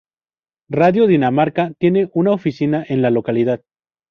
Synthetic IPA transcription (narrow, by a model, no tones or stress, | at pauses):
raðjo̞ðinamaɾkat̪je̞ne̞ʔunaofisinaʔe̞nlalo̞kalið̞að